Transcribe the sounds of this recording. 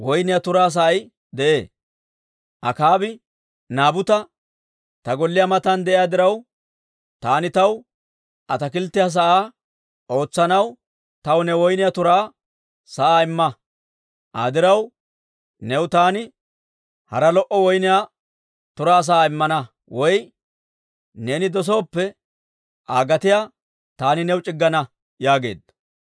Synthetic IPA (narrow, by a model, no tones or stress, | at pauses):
wɔjnɪjat̪ʊɾaːs̬ɐʔɐj | d̪ɛʔe̞ː | ʔɐ̰kaːbɪ | naːbʊt̪ɐ | t̪ɐɡɔlːɪjamɐt̪ɐnd̪ɛʔɪjaːd̪ɪɾɐw | t̪aːnɪt̪ɐw | ʔɐt̪ɐkɪlt̪ːɪjaːs̬ɐʔaː | o̞ːt͡sːɐnɐw | t̪ɐwnɛwɔjnɪjat̪ʊɾaː | sɐʔaːɪmːɐ | ʔa̰ːd̪ɪɾɐw | nɛwt̪aːnɪ | hɐ̰ɾɐlɔʔɔwɔjnɪjaː | t̪ʊɾaːs̬ɐʔaːɪmːɐnɐ | wɔj | ne̞ːnɪd̪ɔs̬o̞ːpːɛ | ʔaːɡɐt̪ɪjaː | t̪aːnɪnɛwt͡ʃʼɪɡːɐnɐ | jaːɡe̞̰ːd̪ɐ